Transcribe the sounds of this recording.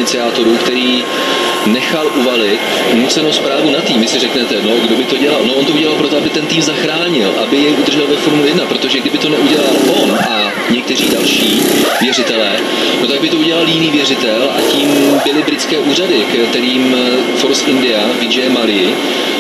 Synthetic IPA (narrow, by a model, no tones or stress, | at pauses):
ɪt͡sɪaːt̪o̞ɾukt̪ɛɾiː | nɛxalʔuvalɪt̪ | nut͡sɛnowspɾaːvunat̪iːmvɪsɪrɛknɛt̪ɛno̞ɡdo̞bɪt̪o̞ɟɛlalnoʔont̪ouɟɛlalpɾo̞t̪oabɪt̪ɛnt̪iːmzaxɾaːɲɪlʔabɪjɛjʔud̪rʒɛlvɛfo̞ɾmulɪjɛdnapɾo̞t̪o̞ʒɛɡdɪbɪt̪o̞nɛʔuɟɛlalʔo̞nʔa | ɲɛk̚t̪ɛr̝iːdalʃiːvjɛrɪt̪ɛlɛː | no̞t̪aɡ̚bɪt̪o̞uɟɛlaljɪniːvjɛrɪt̪ɛlʔa̰ciːmbɪlɪbɾɪt͡skɛːʔuːr̝adɪkt̪ɛɾiːm | foɾsɪndɪavɪd͡ʒɛmalɪɪ